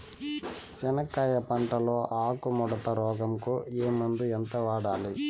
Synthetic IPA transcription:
t͡ʃɛnɐkːaːjɐpɐɳʈɐloːʔaːkumɔɽɐt̪ɐɾɔːɡɐmkueːmɐnd̪uɛnt̪ɐʋaːɽaːli

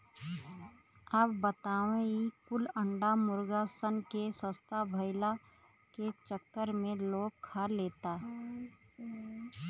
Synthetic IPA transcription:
əpbət̪aːʋẽikʊləɳɖamʊɾɡasənkesə̃st̪abʱəɪla | ket͡ʃəkːəɾmẽloːkʰːaleːt̪aɦ

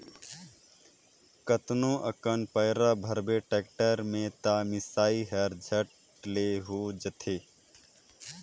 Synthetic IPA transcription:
kət̪nõːʔɐkənpəjɾabʱɐɾbeːʈɛːkʈəɾmẽt̪aːmɪsaːiɦɛɾd͡ʒʱəʈ | leɦoːd͡ʒət̪ʰeː

